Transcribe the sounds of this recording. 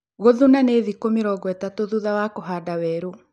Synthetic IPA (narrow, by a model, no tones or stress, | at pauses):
ɣoðunaneðikomiɾɔɣwɛtatoðuðawakoɦadawɛɾu